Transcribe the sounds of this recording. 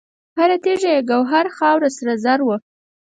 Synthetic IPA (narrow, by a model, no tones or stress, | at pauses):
haɾat̪eʒaeɡawɦaɾxɑwɾasaɾazaɾwə